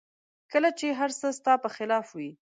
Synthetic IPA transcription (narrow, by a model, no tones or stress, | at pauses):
kəlat͡ʃeɦaɾsəst̪ɑpəxɪlɑfwi